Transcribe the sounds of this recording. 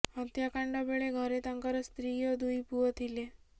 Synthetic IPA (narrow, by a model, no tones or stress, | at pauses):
ɔt̪jakaɳɖɔbeɭeɡʱɔɾet̪aŋkaɾɔst̪ɾijɔd̪ujpuɔt̪ʰile